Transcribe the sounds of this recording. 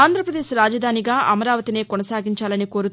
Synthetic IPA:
aːnd̪ʱɾɐpɾɐd̪eːʃɾaːd͡ʒɐd̪ʱaːniɡaːʔɐmɐɾaːʋɐt̪ine̞ːkɔnɐsaːɡiɲt͡ʃaːlɐniko̞ːɾut̪

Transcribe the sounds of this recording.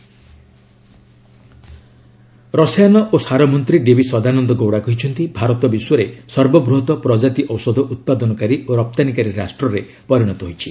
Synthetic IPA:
ɾɔsjanɔʔosaɾɔmɔnt̪ɾiɖebisɔd̪anɔnd̪ɔɡowɽakɔɦit͡ʃʰɔnt̪ibʱaɾɔt̪ɔbiswɔɾesɔɾbɔbɾuɦɔt̪ɔpɾɔd͡ʒat̪iʔɔwsɔd̪ʱɔʔut̪̚pad̪ɔnɔkaɾiʔoɾɔp̚t̪anikaɾiɾasʈɾɔɾe | pɔɾiɽ̃ɔt̪ɔɦojt͡ʃʰi

